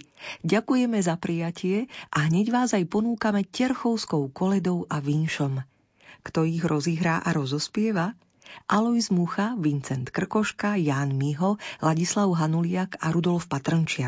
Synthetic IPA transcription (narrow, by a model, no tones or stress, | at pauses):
ɟakujɛmɛzapɾʔijacʰɪɛʔaɦɲɛɟʋaːzajpɔnuːkamɛcɛɾxɔʊskɔʊkɔlɛd̪ɔʊʔaʋinʃɔm | kt̪ɔiɣɾʔɔziːɦɾaːʔaɾɔzɔspɪɛʋa | ʔalɔizmuxaʋint͡sɛnt̪kr̩kɔʃkajaːnmiɦɔlaɟislaʊɦanulɪakaɾud̪ɔlfpat̪rɔnt͡ʃɪak